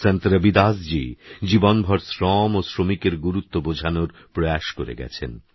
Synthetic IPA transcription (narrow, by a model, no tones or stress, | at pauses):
sant̪ɾabid̪asd͡ʑid͡ʑibonbʱɔɾsɾɔmosɾomikeɾɡuɾut̪ːobod͡ʑʱanoɾ | pɾojaʃkoɾḛɡɛ̰t͡ɕʰḛn